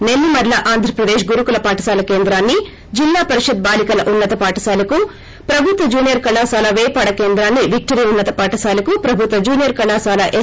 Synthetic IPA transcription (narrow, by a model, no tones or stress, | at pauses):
nelːimɐɾlɐʔaːnd̪ʱɾɐpɾɐd̪eːʃɡuɾukulɐpaːʈɐsaːlɐkeːnd̪ɾaːnːi | d͡ʒilːaːpɐɾiʃɐd̪̚baːlikɐlɐʔunːɐt̪ɐpaːʈɐsaːlɐku | pɾɐbʱut̪ʋɐd͡ʒuːnijɐɾkɐlaːsaːlɐʋɛːpaːɽɐkeːnd̪ɾaːnːiʋʱik̚ʈɐɾijunːɐt̪ɐpaːʈɐsaːlɐkupɾɐbʱut̪ʋɐd͡ʒuːnijɐɾkɐlaːsaːlɐʔe